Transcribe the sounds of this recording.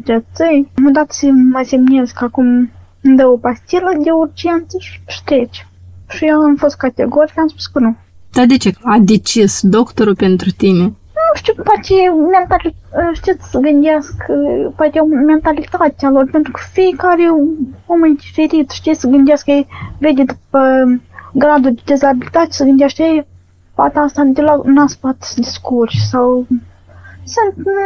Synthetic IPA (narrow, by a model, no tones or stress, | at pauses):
d͡ʒ̪ʲet͡s̪əjmod̪at̪səmajsemnezkakum | ɨnd̪əwəpast̪ʲilad̪ʲeurd͡ʒent̪səʃʂt̪et͡ʃʃijoamfost̪̚kat̪ʲḛɡoɾikamspu̥skənu | d̪̥ad̪et͡ʃead̪et͡ʃisd̪okt̪oɾupent̪ɾut̪ine | nuʂt̪iwpat̪ement̪aliʂt̪it̪səɡɨnd̪eskpat̪ɛwmɛnt̪alit̪at̪ʲalˠɔɾpɛnt̪ɾukə̥fikaɾiuməjd̪ifɛɾit̪ʃt̪isəɡənd̪iɛskɛjvɛd̪ʲid̪upə | ɡɾad̪ud̪əd̪ɛzabilit̪at̪ʲsəɡənd̪ʲɛʃk̪ɛj | pat̪ast̪ad̪ilaknaspat̪d̪iskuɾssaw | sənt̪